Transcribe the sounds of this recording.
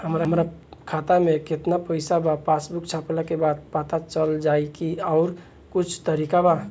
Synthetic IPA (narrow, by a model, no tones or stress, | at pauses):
həmɾamɾakʰat̪ameket̪napəɪsabapasbukt͡ʃʰaplakebad̪̚pat̪at͡ʃəld͡ʒajkiaʊɾ | kut͡ʃʰt̪əɾikaba